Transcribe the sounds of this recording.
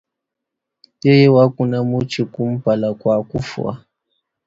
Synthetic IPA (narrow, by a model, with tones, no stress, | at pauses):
je˦je˦wa˦ku˦na˦mu˦t͡ʃi˨ku˦m˦pa˨la˨kʷwa˨ku˦fṵ˨a̰˦